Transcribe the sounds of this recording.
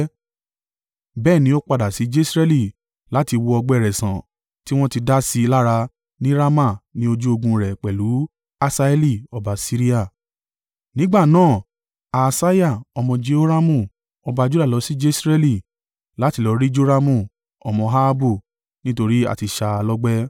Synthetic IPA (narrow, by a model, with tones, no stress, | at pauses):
bɛː˦˨nĩ˨˦o˦k͡pa˧da˨si˨˦d͡ʒe˦sɾɛ˦li˦˨ | la˨˦ti˧wo˧ɔ˧ɡ͡bɛ˦˨ɾɛ˨sã̰˨ | ti˦w̃ɔ̃˦ti˧da˦si˧la˦ɾa˧ | nĩ˦ɾa˦ma˦˨nĩ˦o˧d͡ʒu˦o˧ɡũ˧ɾɛ˨k͡pɛ˨lu˨˦ | a˧sa˧e˦li˦˨ɔ˨ba˨˦si˦ɾi˦a˦˨ | nĩ˦ɡ͡ba˦˨nãː˦˨ | a˨sa˦ja˦˨ɔ˧mɔ̃˧d͡ʒe˦o˦ɾa˦mũ˦˨ | ɔ˧ba˧d͡ʒu˦da˦˨lɔ˨˧˦si˦d͡ʒe˦sɾɛ˦li˦˨ | la˨˦ti˨˧lɔ˨˧ɾi˦d͡ʒo˦ɾa˧mũ˦˨ | ɔ˧mɔ̃˧ɦa˦a˦bo˦˨ | nĩ˦to˧ɾi˦a̰˦˨ti˧ʃa˧a˧lɔ˦ɡ͡bɛ˦